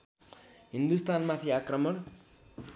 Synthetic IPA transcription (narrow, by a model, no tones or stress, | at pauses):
ɦind̪ust̪anmat̪ʰiakrʌmʌɾ